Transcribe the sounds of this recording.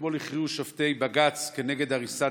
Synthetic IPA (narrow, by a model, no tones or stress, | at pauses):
bo̞liχiuʃoft̪e̞jbaɡat͡ske̞neɡe̞d̪aʁisa